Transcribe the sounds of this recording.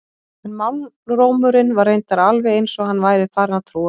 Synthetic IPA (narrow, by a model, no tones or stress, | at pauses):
ɛnmanː | roːwmʏɾɪnvaɾːejnt̪aɾalvɛejnsɔɣhanːvaːjɾɪðfaːɾnat̪ʰɾuː